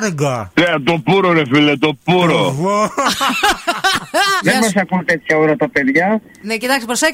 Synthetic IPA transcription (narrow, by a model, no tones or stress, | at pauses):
ɾeɡɐneɐt̪opuɾoɾefilet̪opuɾovo | ðemɐsɐkunt̪et̪çɐoɾɐt̪ɐpeðʝɐ | necit̪ɐksipɾosek